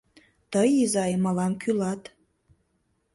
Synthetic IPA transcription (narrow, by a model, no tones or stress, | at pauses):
t̪əjizɑjmɑlɑmkʰylɑt̪